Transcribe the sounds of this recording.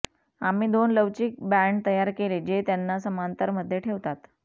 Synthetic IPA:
amiːd̪onləʋt͡ɕiːk̚bæɳɖt̪əjaɾkeled͡ʑet̪janːasəmant̪əɾməd̪ʱːjeʈʰeʋt̪at̪

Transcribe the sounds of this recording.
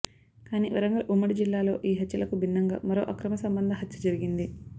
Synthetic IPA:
kaːnḭːʋɐɾɐŋɡɐɐʔumːɐɽid͡ʒilːaːlo̞ːʔiːɦɐt̪ːjɐlɐkubʱinːɐŋɡa̰ːmɐɾo̞̰ːʔɐkɾɐmɐsɐmbɐnd̪ʱɐɦɐt̪ːjɐd͡ʒɐɾiɡind̪i

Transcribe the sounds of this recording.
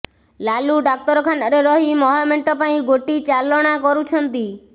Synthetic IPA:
laluɖak̚t̪ɔɾɔkʰanɔɾeɾɔɦimɔɦameɳʈɔpaĩɡoʈit͡ʃalɔɽ̃akɔɾut͡ʃʰɔnt̪i

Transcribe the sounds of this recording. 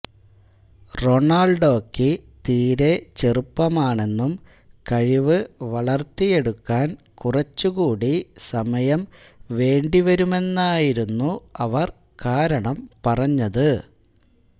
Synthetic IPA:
ro̞ɳaːɭɖo̞ːkːɨt̪iːɾe̞t͡ɕerupːɐmaːɳe̞nːum | kɐɻiʋɨʋɐɭɐrt̪ːije̞ɽukːaːn | kurɐt͡ɕːuɣuːɽisɐmɐjɐm | ʋe̞ːɳɖiʋɐɾume̞nːaːjiɾunːuɐʋɐr | kaːɾɐɳɐmpɐrɐɲːɐðɨ

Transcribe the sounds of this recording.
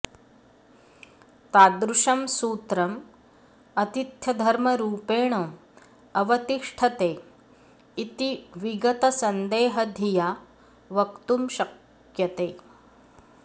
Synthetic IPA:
t̪aːd̪ɾuʃɐmsuːt̪ɾɐm | ɐt̪it̪jɐd̪ʱɐɾmɐɾuːpeːɳo | ɐʋɐt̪iʂʈʰɐt̪eː | it̪iʋiɡɐt̪ɐsɐnd̪eːɦɐd̪ʱijaː | ʋɐkt̪umʃɐk | jɐt̪eː

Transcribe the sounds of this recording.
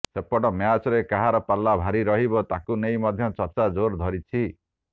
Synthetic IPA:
sepɔɽɔmjat͡ʃɔɾekaɦaɾɔpalːabʱaɾiɾɔɦibɔt̪akunejmɔd̪ʱjɔt͡ʃɔɾt͡ʃad͡ʒoɾd̪ʱɔɾit͡ʃʰi

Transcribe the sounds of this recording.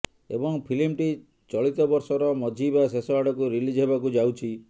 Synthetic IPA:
ebɔŋpʰilimʈi | t͡ʃɔɭit̪ɔbɔɾsɔɾɔmɔd͡ʒʱibasesɔaɽɔkuɾilid͡ʒɦebakud͡ʒawt͡ʃʰi

